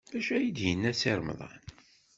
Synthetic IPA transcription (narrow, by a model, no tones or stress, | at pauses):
bæʃæjid̪jənːæsiɾˤm̰ðˤɑ̰n